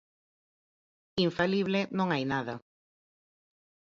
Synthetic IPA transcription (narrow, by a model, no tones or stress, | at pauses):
iɱfaliβlɪnõŋajnaðɐ